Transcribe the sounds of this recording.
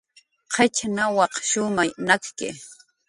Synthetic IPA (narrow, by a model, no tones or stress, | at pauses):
qʰɑt͡ʃnawɑqʃʊmajnakkɪ̰